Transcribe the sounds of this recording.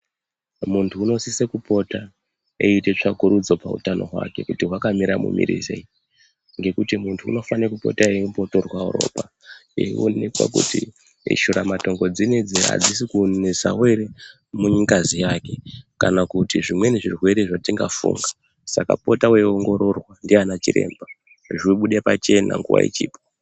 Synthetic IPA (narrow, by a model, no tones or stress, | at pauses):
muntʰuːno̞sisekupo̞ta | eite̞t͡ʂakuɾud͡zo̞paṵtano̞̰ɦwa̰ke̞̰kutiɦwakamiɾamṵmḭɾḭzḛi | ŋɡe̞kutimuntʰṵːno̞fanekupo̞̰taeumpo̞to̞rwauɾo̞̰ːpa | ḛḭo̰ne̞kwa̰kṵti | iʃuɾamato̞ŋɡo̞d͡zined͡ziɦa̰d͡zisikueza̰we̞ɾe | muɲiŋkazijake̞kanakutiʐimwe̞niʐirwe̞ɾeʐatiŋɡafṵŋɡa | saka̰po̞tawe̞oŋɡo̞ɾo̞rwandianat͡ʃiɾe̞̰ːmba | ʐɓuɗepat͡ʃe̞na̰ŋɡṵwa̰ḭt͡ʃiːpo̥